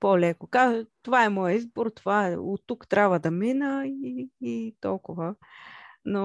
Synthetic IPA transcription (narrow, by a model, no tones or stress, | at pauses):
polɛkokazt̪ovaɛmɔjəizboɾt̪ovaɛo̰t̪ːukt̪ɾʲabvəd̪ɐminəiit̪ɔlˠkʊvə | no